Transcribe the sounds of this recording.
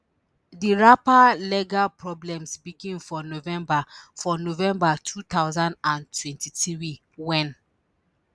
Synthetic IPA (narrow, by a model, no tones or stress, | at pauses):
diɹapalɛɡapɹɔblɛ̃msbikĩmfɔnovɛ̃mbafɔnovɛ̃mbatʰut̪awzãndãntʰwɛ̃ntitɹi | wɛ̃n